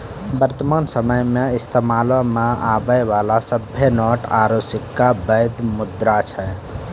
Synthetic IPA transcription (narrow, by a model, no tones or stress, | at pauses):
bəɾt̪əmaːnsəməjmeist̪emalɔmeabəjʋalasəbʱenɔʈa̰ɾosikːabəd̪mud̪ɾat͡ʃʰɛ